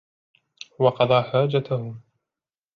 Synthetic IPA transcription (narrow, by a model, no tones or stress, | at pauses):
wɑqɑd̪ˤɑːħaːd͡ʒat̪ahʊm